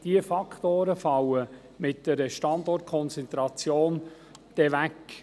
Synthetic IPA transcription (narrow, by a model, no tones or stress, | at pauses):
d̥iəfɑkχt̪oːɾəfɑwə | mɪt̚d̥ɛɾəʃtɑnd̪ɔrt̚kʰɔnt͡sɛnt̪ɾɑt͡sjoːn | d̪̥ɛʋæk